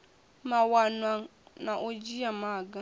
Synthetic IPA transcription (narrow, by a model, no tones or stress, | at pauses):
mawanaŋnaʔod͡ʒijamaɡa